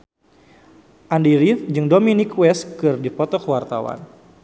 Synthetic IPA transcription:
ʔandiɾifd͡ʒɨŋdominikwɛskɨrdipɔt̪ɔkəwart̪awa̰n

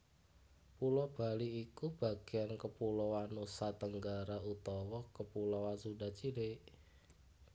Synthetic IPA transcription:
pulɔb̥a̤liikub̥a̤ɡ̥ejankəpulɔwanusat̪əŋɡaɾaut̪ɔwɔkəpulɔwansuda̤t͡ʃileʔ

